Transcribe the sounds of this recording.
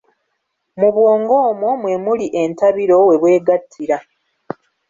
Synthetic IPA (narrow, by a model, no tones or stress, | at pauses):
muβwoːŋɡoːmumwe̞muliʔe̞ntaβiɾo̞we̞βwe̞ːɡatʰːiɾa